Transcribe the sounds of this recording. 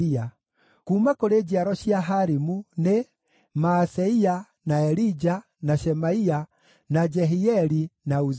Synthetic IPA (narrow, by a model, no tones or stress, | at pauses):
ia | kuːmakɔɾed͡ʒiaɾɔʃiaɦaɾimune | maːsɛia | naɛɾid͡ʒa | naʃɛmaia | nad͡ʒɛɦiɛɾinauz